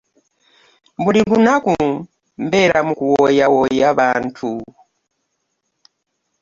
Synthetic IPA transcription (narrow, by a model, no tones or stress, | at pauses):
mbulilunaku | mbɛɾamukuwɔjawɔjaβantʰu